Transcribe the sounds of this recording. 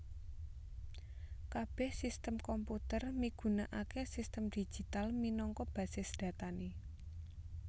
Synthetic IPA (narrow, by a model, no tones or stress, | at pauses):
kab̥ɛ̤hsist̪əmkɔmput̪ərmiɡ̥ṳnaʔakesist̪əmd̪̥i̥d͡ʒ̥i̤t̪alminɔŋkɔb̥ä̤sɪsd̥ä̤t̪ane